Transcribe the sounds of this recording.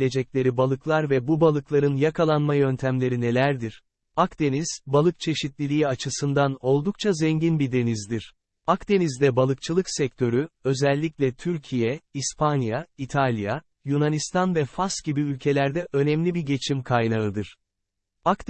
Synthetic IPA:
lʲe̞d͡ʒɛclʲe̞ɾibalˠɯklˠaɾvɛbubalˠɯklˠaɾɯnjakʰalˠanmajø̞nt̪ʰæmlʲe̞ɾine̞lʲæɾd̪iɾ̥ | akd̪e̞niz̥balˠɯk̚t͡ʃʰe̞ʃit̪lʲilʲiiat͡ʃʰɯsɯnd̪ano̞lˠd̪uk̚t͡ʃʰazɛɲɟinbid̪e̞nizd̪iɾ̥ | akd̪e̞nizd̪ɛbalˠɯk̚t͡ʃʰɯlˠɯksɛc̚t̪ʰø̞ɾyø̞zɛlʲːiclʲɛt̪ʰyɾcʰijɛispʰanjait̪ʰalʲja | junanist̪ʰanvɛfasɟibiylʲcʰe̞lʲæɾd̪ɛʔø̞nɛmlʲibiɟe̞t͡ʃʰimkʰajnaɯd̪ɯɾ̥ | ak̪

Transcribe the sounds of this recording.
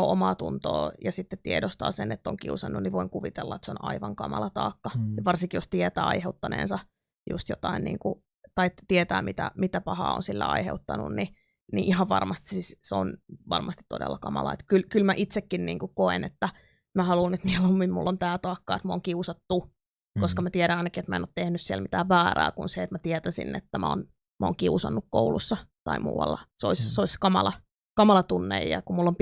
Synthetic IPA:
oʔomɑːt̪unt̪o̰ːjɑsit̪ːet̪t̪ːiedost̪ɑ̰ːsenet̪ːoŋkiusɑnːunniʋoiŋkuʋit̪elːɑet̪sonɑiʋɑŋkɑmɑ̰lɑt̪ɑ̰ːkːɑjɑʋɑrsiŋkijost̪iet̪æːɑiheut̪ːɑnḛːnsɑ | jṵst̪jot̪ɑinnḭːŋku | t̪ɑit̪iet̪æːmit̪æ̰mit̪æpɑhɑ̰ːo̰nsilːæ̰ɑ̰iheut̪ːɑnṵnni | nḭʔiɦɑʋʋɑrmɑst̪i̥sisseonʋɑ̰rmɑst̪i̥t̪t̪odḛlːɑkɑmɑ̰lɑ̰ḛt̪kylkylmæʔit̪sekːinnḭːŋkukoenet̪ːæ | mæhɑlunet̪milommimṵlːont̪æːt̪ɑːkːɑ̰ːet̪mæoːŋkiusɑt̪ːu | koskɑmæt̪iæɾænɑinɑkiet̪mæenoːt̪t̪ehnyssiæ̰lmit̪æːʋʋæːræ̰ːkunseet̪mæt̪iɛt̪æsḭnːḛt̪ːæmʔæo̰n | mʔæo̰ːŋkiusɑ̰nːukkoulusːɑt̪ɑimṵːwɑ̰lːɑso̰issoiskɑmɑlɑ | kɑmɑlɑt̪unːḛjjɑ̰kumulːomp

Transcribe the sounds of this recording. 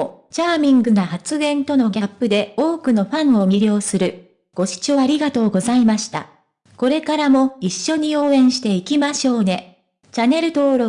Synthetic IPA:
t͡ɕaːmʲĩŋɡɯ̟nahat͡sɨɡẽ̞nt̪o̞no̞ɡʲapːɯ̟d̪e̞o̞ːkɯ̟no̞ɸãɰ̃o̞mʲiɾʲjo̞ːsɨɾɯ̟ | ɡ̥o̞ɕi̥t͡ɕoaɾʲiɡat̪o̞ːɡo̞zaimaɕi̥t̪a̰ | ko̞ɾe̞kaɾamo̞iɕːo̞ɲ̟io̞ːẽ̞ɰ̃ɕi̥t̪e̞ikʲimaɕo̞ːne̞ | t͡ɕane̞ɾɯ̟t̪o̞ːɾo

